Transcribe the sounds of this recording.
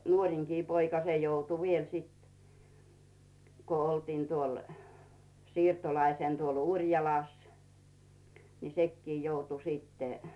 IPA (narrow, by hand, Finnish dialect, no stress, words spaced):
nuorʲiŋkiː poikɑ se joutu ʋiel sit ko oltiːn tuol siːrtolɑiseˑn tuol urʲjɑlɑˑs ni sekːiː joutu stːe